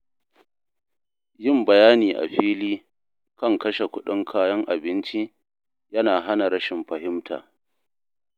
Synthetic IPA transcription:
jɪ˦˨mbɐ˨jaː˦niː˨ʔa̰˨ɸiː˦liː˦ | kɐ˦˨ŋkɐ˦ʃe˨kʷʊ˦ɗɪ˦ŋkʰaː˦jɐ˦ŋʔa̰˨bɪ˦nt͡ʃi˦ | jɐ˦naː˨ɦa˦na˨ɾɐ˦ʃɪ˨mɸɐ˨ɦɪ˦mtʰa̰ː˨

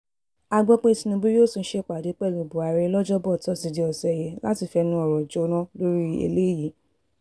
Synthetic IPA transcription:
a˧ɡ͡bɔ˦k͡pe˦i˧si˧nũ˧bi˦o˦˨sũ˧n̩˦ʃe˦˨k͡pa˨de˨˦k͡pɛ˦˨lu˨bo˨a˨ɾe˧˦lɔ˦d͡ʒɔ˦bɔ˦˨tɔ˦˨si˧di˧˦ɔ˨sɛ˨jɛ˧la˦ti˦˨fɛ˧nũ˦ɔ˨ɾɔ˨d͡ʒo˧˦nã˦lo˦ɾi˦ḛ˧le˦ji˨˦

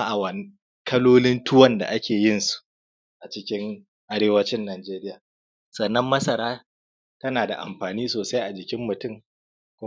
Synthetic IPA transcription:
ʔa˨wɐ˨n˦ | kɐ˦loː˦lɪ˦ntʰʊ˦wɐ˦nda̰˨ʔa˦kʲeː˨jɪ˦˨nsu̥˨ | ʔa˨t͡ʃɪ˦kʲɪ˦ŋ | ʔa˦ɽeː˦wɐ˦t͡ʃɪ˦nːaː˨d͡ʒeː˦ɾɪ˦jaː˨ | sɐ˨nːɐ˦mːɐ˦sɐ˨ɾaː˦ | tɐ˦naː˨da̰˨ʔa̰˨mɸaː˨niː˦soː˨sa˦jʔa˨d͡ʒɪ˨kʲɪ˦mːʊ˨tʊ˦m | kʷʊ˦

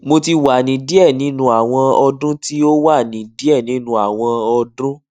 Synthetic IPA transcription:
mo˧ti˧wa˨nĩ˨˦di˦ɛ˦˨nĩ˨˦nũ˧a˨w̃ɔ̃˧ɔ˧dũ˦ti˦o˦wa˦˨nĩ˨di˦ɛ˦˨nĩ˨˦nũ˧˦a˨w̃ɔ̃˧ɔ˧dũ˦

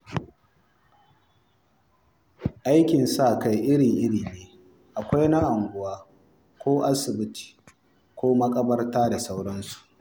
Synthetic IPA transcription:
ʔa˦jkʲɪ˨nsa˦˨ka˨jʔɪ˦ɽɪ˨ŋʔɪ˦ɽiː˨neː˦ | ʔa˨kʷa˦jna˦ʔa˨ŋɡʷʊ˦˨waː˦ | kʷoː˦ʔa˦sɪ˨bɪ˦ti̥ː˨ | kʷoː˦mɐ˦kʼɐ˦bɐ˦rtaː˦da˨sa˦wɽɐ˦nsu̥˨ʔ

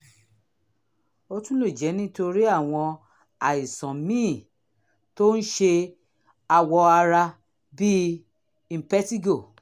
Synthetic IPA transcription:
o˧tũ˦lu˦˨d͡ʒɛ˨˦nĩ˦to˧ɾi˦a˦˨w̃ɔ̃˧ | a˨i˨sɔ̃˨mĩ˦˨ | to˦n̩˦ʃe˧ | a˧wɔ˧a˧ɾa˧ | bi˦ | ĩ˦˨pɛ˦ti˦ɡo˦˨

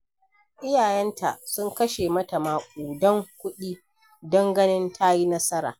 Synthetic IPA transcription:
ʔɪ˦jaː˨jɛ˦ntʰa˨sʊ˦ŋkɐ˦ʃe˨mɐ˦ta˨maː˨kʷʼuː˨dɔ˦ŋkʷʊ˦ɗiː˦ | dɐ˦ŋɡɐ˦nɪ˦ntʰa˦ji˦nɐ˦sɐ˦ɾa̰ː˨

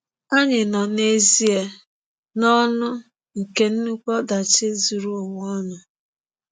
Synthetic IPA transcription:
a˦ɲɪ˨nɔ˨ne˦zi˦e˨ | nɔ˦nʊ˦ | ŋ̩˨ke˦n̩˦nu˦k͡pɔ˦da˨t͡ʃɪ˦zu˨ɾu˦o˨wɔ˦nʊ˨

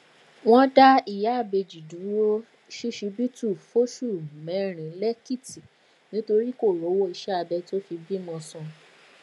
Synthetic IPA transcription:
w̃ɔ̃˦da˦i˨ja˨˦a˦˨be˧d͡ʒi˨du˨˦wo˦ | ʃi˦ʃi˧bi˦tu˦˨fo˦ʃu˦˨mɛ̃˨˦ɾ̃ĩ˨˦lɛ˦ki˦˨ti˨ | nĩ˨˦to˧ɾi˦ko˦˨ɾo˨˦wo˦i˧ʃɛ˦a˧bɛ˧to˦fi˧bi˦mɔ̃˧sũ˧

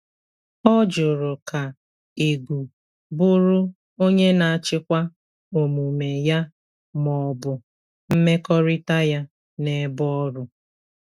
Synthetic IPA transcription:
ɔ˦d͡ʒʊ˨ɾʊ˨ka˨ | e˨ɡʷu˨ | bʊ˦ɾʊ˦ | o˦ɲe˦na˨a˨t͡ʃɪ˦kʷa˦ | o˨mu˨me˨ja˦ | mɔ˨bʊ˨ | m̩˦me˦kɔ˦ɾɪ˦ta˦ja˦ | ne˨˦bɔ˦ɾʊ˦

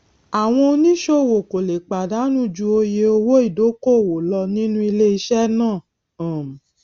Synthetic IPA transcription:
a˨w̃ɔ̃˧o˧nĩ˦ʃo˦˨wo˨ko˨le˨k͡pa˨da˨˦nũ˦d͡ʒu˧o˧je˧o˧wo˦i˦˨do˨˦ko˦˨wo˨lɔ˧nĩ˦nũ˦i˧le˦i˧ʃɛ˦nãː˦˨ | ã˨

